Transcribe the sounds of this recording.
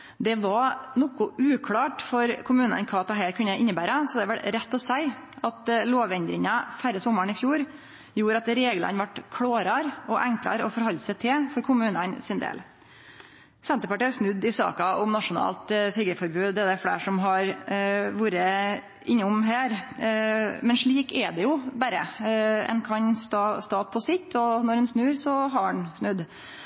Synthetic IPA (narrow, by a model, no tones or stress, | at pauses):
d̪ɛʋɑnɔkʊʔʉːkʰɽɑːʈfɔɾkʰʊmʉːnə̰nkʰɑːɑt̪̚d̪ɛɦæːɾkʰʉnːəʔɪnːəbæːɾəsɔd̪ɛʋɛlɾɛt̪ːɔsæɪɑt̪loːʋɛnd̪ɾɪŋɑfæɾːəsɔmːəɳɪfjuːɾ | juːɾɑt̪ɾeːɡlə̰nʋɑʈkʰɽoːɾɑɾɔʔɛŋklɑ̰ɾɔfɔɾhɔlːsɛɪt̪ʰɪlfɔɾkʰʊmʉːnənsɪnd̪ḛːl | sɛnt̪əɾpɑʈiːsnʉd̪ɪsɑ̰ːkɑʊmnɑʂʊnɑ̰ːlt̪t̪ʰɾiɡəfɔɾbʉːd̪d̪ɛæd̪ɛæfɽḛːʂɔmɦɑɾʋuːɾə | ʔɪɲːəʊmɦæːɾ | mɛnʂɭiːkɛd̪ɛjʊbæɾə̰ɛ̰nkʰɑɲst̪ɑːst̪ɑːt̪̚pʰɔsɪt̪ʰːɔnɔɾɛnsnʉːɾsɔɦɑɛnsnʉd̪